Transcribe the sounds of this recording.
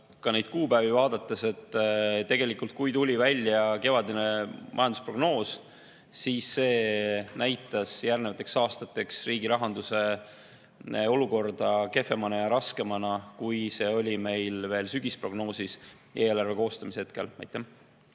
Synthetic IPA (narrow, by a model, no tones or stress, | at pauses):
kɑne̞jd̪̥̚kuːbæːvivɑːd̪̥ɑt̪ːˑese̞t̪ːˑt̪e̞ɡe̞likult̪̚kujt̪ulʲivælʲjɑke̞vɑd̪inemʔɑ̰jɑnd̪uspro̞ɡ̥no̞ːs | siːsːe̞ːnæjt̪ːˑɑsjærnevɑt̪ːˑe̞ksɑːst̪ɑt̪ːˑe̞ksriːɡiɾɑɦɑnd̪̥use̞ | o̞luko̞rd̪̥ɑke̞fˑe̞mɑnɑjɑɾɑske̞mɑnɑkujse̞ːo̞lʲime̞jlve̞ːlsyɡ̥ispro̞ɡ̥no̞ːsis | ʔeːlɑrve̞ko̞ːst̪ɑmisehet̪̚ke̞̰lmæ̰jt̪ːˑem